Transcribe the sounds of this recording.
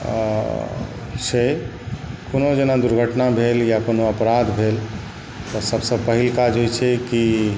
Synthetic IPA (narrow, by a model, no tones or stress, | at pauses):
se | konod͡ʒenad̪uɾɡʱəʈnabʱeljakonoəpɾad̪ʱbʱel | t̪ɔsəbsə̃bpəɦilkad͡ʒɦojt͡ʃʰɛki